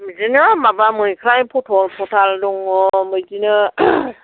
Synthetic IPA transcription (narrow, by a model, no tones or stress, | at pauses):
mzinɯmabamɯjkʰɾajpʰɔtʰɔlpʰɔtʰaldɔŋɔmɯjzinɯ